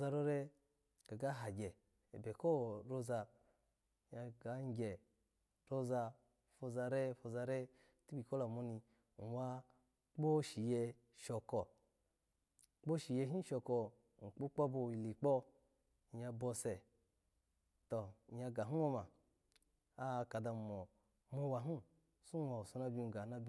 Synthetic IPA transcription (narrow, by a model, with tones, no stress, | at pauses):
za˧ɾo˧˦ɾe˧ | ɡa˨ɡa˦ɦa˨ɡʲe˨ | e˨be˨ko˦ɾo˦za˧˨ | ɲa˧ɡa˨˦ŋ˦ɡʲe˨ | ɾo˦za˧ | fo˧za˧ɾe˦fo˧za˧ɾe˦ | ti˦bi˨ko˦la˨mo˧ni˧ | n̩˨wa˧ | k͡po˦ʃi˨je˧ | ʃɔ˨kɔ˨ | k͡po˦ʃi˨je˧ɦi˦ʃo˨kɔ˨ | ŋ̩˨k͡po˦k͡po˦bo˧ji˨li˨k͡po˦˨˦ | a˧bo˧se˨ | to˨ja˧ɡa˨ɦu˦wo˦ma˨ | a˦˧˨ka˨da˧˨mo˨ | mo˦wa˨ɦu˦ | su˦wa˨su˧˦na˦bʲi˧n˨ɡa˨na˦bʲi˦